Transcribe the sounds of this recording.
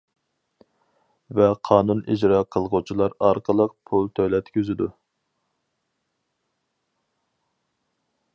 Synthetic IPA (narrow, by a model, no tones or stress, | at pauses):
vɛqʰɑːnunid͡ʒɾɑːqʰəlˠʁut͡ʃʰilˠɑɾɑɾqəlˠəq̚pʰulˠt̪ʰølɛt̪kʲøzɪd̪u